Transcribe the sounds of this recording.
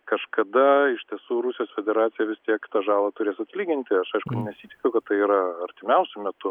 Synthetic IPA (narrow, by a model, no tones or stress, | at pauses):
kɐʃkɐd̪ɐɪʃʲt̪ʲiɛsuːɾʊsʲɪjoːsfʲɛd̪ʲɛɾɑːt̪sʲɪjɛʋʲɪst̪ʲiɛkʲɪ̥t̪ɑʒɑːlˠɑːt̪ʊɾʲeːsɐt̪ʲlʲiːɡʲɪnʲt̪ʲɪɐʃɐɪʃkʊnʲɛsʲiːt̪ʲɪkʲɛʊkɐt̪t̪ːɐɪiːɾɐɐɾʲt̪ʲɪmʲɛʊsʲʊmʲɛt̪ʊ